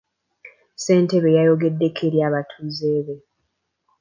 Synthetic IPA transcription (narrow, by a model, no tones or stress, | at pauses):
se̞ːnte̞βe̞jajo̞ɡe̞dːe̞kʰeɾjaːβatʰuzeːβe̞